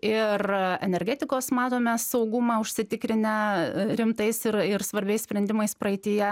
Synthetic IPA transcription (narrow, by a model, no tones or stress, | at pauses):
ɪrɛ̰nʲɛɾʲɡʲæːt̪ʲɪkoːsmɑːt̪oːmʲɛsɐʊɡʊmɑʊʃʲsʲɪt̪ʲɪkɾʲɪnʲɛɾʲɪmt̪ɐɪsɪɾɪɾsʋɐɾʲbʲɛɪssʲpʲɾʲɛnd̪ʲɪmɐɪspɾɐɪt̪ʲɪjɛ